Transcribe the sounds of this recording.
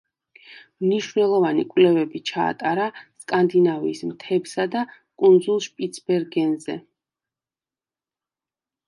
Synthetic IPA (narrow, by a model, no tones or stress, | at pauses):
mniʃvnɛlˠɔvanikʼvlɛvɛbit͡ʃʰa̰ːt̪ʼaɾaskʼand̪inaviːsmt̪ʰɛbsad̪a | kʼund̪zulˠʃpʼit̪sʰbɛɾɡɛnzɛ̰